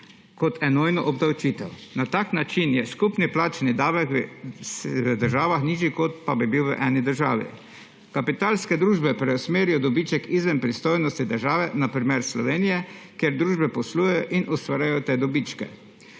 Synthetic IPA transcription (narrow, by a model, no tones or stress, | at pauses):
kɔt̪ʰɛnoːjnɔʔɔbd̪awt͡ʃiːt̪ɛwnat̪aːknat͡ʃinjɛskupniplaːt͡ʃnid̪aːʋɛksəd̪əɾʒaːʋaxniːʒikɔt̪̚pabibiwʋə̰ʔɛːnid̪əɾʒaːʋḭ | kapit̪aːlskɛd̪ɾuːʒbɛpɾɛɔsmeːɾijɔd̪ɔbiːt͡ʃɛkizʋɛmpɾist̪oːjnɔst̪id̪əɾʒaːʋɛnapɾimeːɾslɔʋeːnijɛkjeɾd̪ɾuːʒbɛpɔsluːjɛjɔʔinʔust̪ʋaːɾjajɔt̪eːd̪ɔbit͡ʃkɛ̰